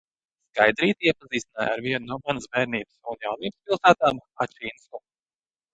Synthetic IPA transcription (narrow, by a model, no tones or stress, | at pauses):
skajd̪ɾiːt̪iɛpaziːst̪ina̰ːja̰ɾviɛnnuɔmanəsvɛːɾniːbəsunjawniːbspilˠsæːt̪aːmat͡ʃiːnsku